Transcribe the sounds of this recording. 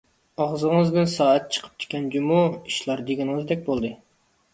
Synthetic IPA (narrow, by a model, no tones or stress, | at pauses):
ɑʁzɨŋɨzd̪ɪnsɑːɛt̪̚t͡ʃʰə̥qʰə̥p̚kʲʰɪ̥kʲʰɛnd͡ʒumuiʃlˠɑɾd̪eɡʲɛnŋɨzd̪ɛk̚ʲbolˠd̪ɨ